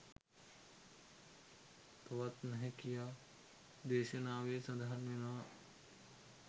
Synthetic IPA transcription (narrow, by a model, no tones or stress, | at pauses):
t̪ɐʋɐt̪nɐɦĩkijaː | d̪eːʃenaːʋesɐd̪ʱaɾmena